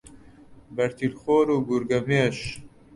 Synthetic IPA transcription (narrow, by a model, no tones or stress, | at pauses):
bɐɾt̪ʰilxoːɾuːɡuɾɡɐmeːʃ